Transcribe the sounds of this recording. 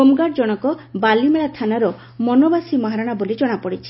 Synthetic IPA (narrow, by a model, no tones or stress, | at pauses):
omɡaʈd͡ʒɔɽ̃ɔkɔbalimeɭat̪ʰanaɾɔ | mɔnɔbasimɔɦaɾaɽ̃abolid͡ʒɔɽ̃apɔɽit͡ʃʰi̥